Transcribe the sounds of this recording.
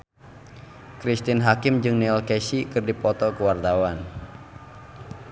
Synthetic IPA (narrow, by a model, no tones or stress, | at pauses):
kɾist̪ɪnɦakɪmd͡ʒɨŋnɛlkɛsikɨrdipɔt̪ɔkəwart̪awan